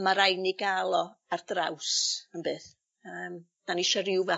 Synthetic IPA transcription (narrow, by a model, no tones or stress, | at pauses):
maɾajniɡalˠɔard̥rawsənbɨːθ | əːm | d̥aniʃaɾɪwvɛ